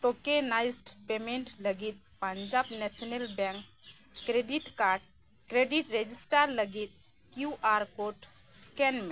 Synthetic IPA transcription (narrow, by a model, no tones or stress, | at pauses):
ʈokenajsʈpemeɳʈləɡit̪̚pəɲd͡ʒabnɛsʰɔnelbɛ̃ŋkː | ɾeɖiʈkaɖ | kɾeɖiʈɾed͡ʒisʈaɾləɡit̪̚ | kjuʔaɾkoʈ | skɛnme